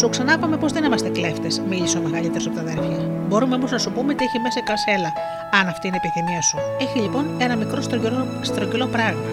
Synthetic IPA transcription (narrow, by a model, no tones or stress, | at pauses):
suksɐnɐpɐme̞po̞zðe̞nimɐst̪e̞kle̞ft̪esmiʎiseo̞me̞ɣɐlit̪eɾosɐpot̪ɐðeɾfçɐ | bo̞ɾumeomoznɐsupumeot̪ieçimesɐkɐse̞lɐ | ɐnɐft̪inepiθimiɐsue̞çiʎipo̞ne̞nɐmikɾo̞st̪ | st̪ɾocilo̞pɾɐɣmɐ